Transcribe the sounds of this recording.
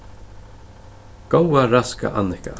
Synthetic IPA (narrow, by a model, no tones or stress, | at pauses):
ɡ̥owaɾaska̰ʔanːɪhka̰